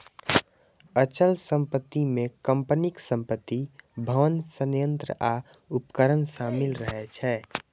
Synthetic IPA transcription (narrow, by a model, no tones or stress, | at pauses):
ət͡ʃəlsə̃mpət̪ːimẽkə̃mpənɪksə̃mpət̪ːibʱəʋənsənjə̃nt̪ɾə̰ʔaupkəɾənsaːmɪlɾəɦɛt͡ʃʰɛː